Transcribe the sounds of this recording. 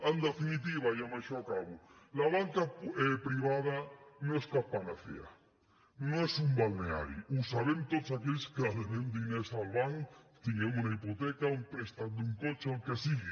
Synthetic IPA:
and̪afinit̪̬iβajamaʃaakaβu | laβaŋkaepɾiβaðanoeskapanaθḛa̰ | noesumbalnea̰ɾḭusaβemt̪ot̪sakeʎskeaðenend̪inesalβaŋt̪iɲeŋunaipot̪ekauŋpɾest̪and̪uŋkot͡ʃeaŋkesiɣe

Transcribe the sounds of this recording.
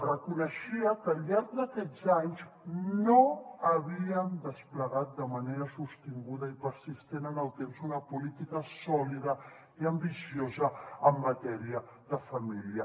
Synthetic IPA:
rəkunəʃiəkəʎʎaɾɡ̚d̪akɛd͡zaɲznoaβiənd̪əspləɣat̪̚d̪əmaneɾəsust̪iŋɡuðɐipəɾsist̪enənəlˠt̪emzunapulit̪ikəsɔliðə | iambisjozəəmːat̪ɛɾiəðəfamiliə

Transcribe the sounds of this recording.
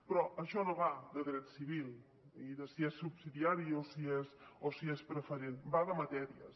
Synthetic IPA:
pɾɔəʃɔnoβad̪əðɾɛt̪siβ̞ilˠ | iðəsiɛsːubsiðiaɾiosiesosiɛspɾəfəɾenbaðəmət̪ɛɾiə̰s

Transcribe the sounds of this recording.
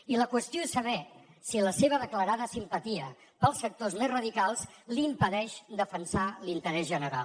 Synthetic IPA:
iləkwəst̪ioesəβɛsiləseβ̞əðəkləɾaðəsimpət̪iə | pəlˠsːək̚t̪ozmezrəðikalˠslimpəðɛʃd̪əfənsalint̪əɾɛzʒənəɾa̰lˠ

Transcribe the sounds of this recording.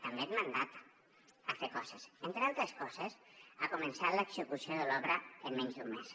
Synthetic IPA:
t̪ambet̪mand̪at̪ | əfekɔsəsent̪ɾealˠt̪ɾəskɔzəsakumənsat̪ləɡzəkusioðəlɔβɾəənmɛɲzðummes

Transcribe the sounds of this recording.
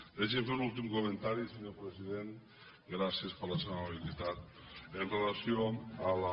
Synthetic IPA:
eʃ̬emfenult̪imkoment̪aɾiseɲoɾpɾesiðen | ɡɾasiespaɾlasemaβilit̪at̪̚ | enrelasioala

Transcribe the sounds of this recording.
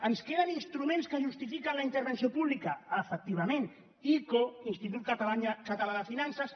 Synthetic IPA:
ənskeðaninst̪ɾumẽnskəʒust̪ifikanlaint̪əɾβənsiopuβlikaəfək̚t̪iβamen | ikoinst̪it̪̬ut̪̚kt̪aɲkat̪alaðəfinansas

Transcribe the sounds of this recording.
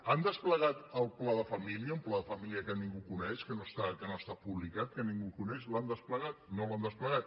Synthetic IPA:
and̪əspləɣat̪əlˠplaðəfəmiliəumplaðəfəmiliəkəniŋɡukunɛʃkənoəst̪akənost̪apuβlikat̪̚kəniŋɡukunɛʃland̪əspləɣat̪̚noland̪əspləɣat̪̚

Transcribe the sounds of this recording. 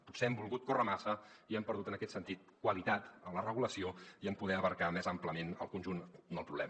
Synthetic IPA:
put̪seɛmbulˠɣut̪̚korəmasəiɛmpəɾðut̪ənəkɛt̪sənt̪it̪̚kwəlit̪at̪əmlərəɣ̞uləsioiəmpuðɛəβəɾkamɛzəmpləmenə̰lˠkunʒund̪əlˠpɾuβlɛ̰m

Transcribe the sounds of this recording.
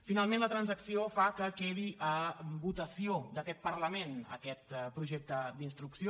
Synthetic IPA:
finalˠmẽnlət̪ɾənzəksiofakəkeðiʔəbut̪əsiod̪əkɛt̪̚pəɾləmenə̰kɛt̪pɾuʒɛk̚t̪əd̪inst̪ɾuksio

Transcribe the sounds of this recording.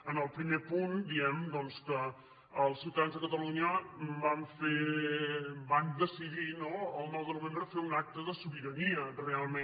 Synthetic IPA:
ənəlˠpɾimepund̪iɛmd̪ɔnskəː | lˠsilˠt̪əanzðəkət̪əluɲəmbaɱfe | band̪əsiðinoəlˠnɔwðəɾuβendɾəfeunak̚t̪əðəsuβiɾəniərealˠme

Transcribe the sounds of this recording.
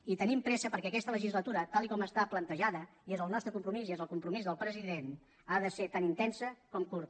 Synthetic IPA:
it̪ənimpɾɛsəpəɾkɛəkɛst̪ələʒizlət̪uɾət̪alˠikɔməst̪aplənt̪əʒaðə | iezəlˠnɔst̪ɾəkumpɾumiziezəlˠkumpɾumizðəlˠpɾəziðen | aðəset̪anint̪ɛnsəkɔmkuɾt̪

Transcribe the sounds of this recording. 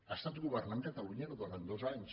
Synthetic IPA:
est̪at̪uɣuβernant̪et̪auɲenoðoɾend̪ozaent͡ʃ

